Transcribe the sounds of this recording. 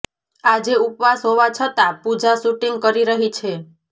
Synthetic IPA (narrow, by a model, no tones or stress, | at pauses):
ad͡ʒeupʋasɦoʋat͡ʃʰət̪apud͡ʒasuʈiŋɡkəɾiɾəɦit͡ʃʰe